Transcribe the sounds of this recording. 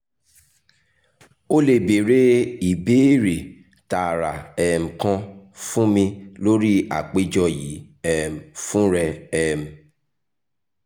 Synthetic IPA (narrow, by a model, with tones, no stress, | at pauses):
o˦le˦˨be˨ɾe˦i˨be˦ɾe˨ | ta˨ɾa˨ɛ˨m̩̃˨kã˦fũ˦mĩ˧lo˦ɾi˦a̰˨k͡pe˦d͡ʒɔ˧ji˨˦ɛ˦m̩˨fũ˦ɾɛ˧ɛ˦m̩̃˨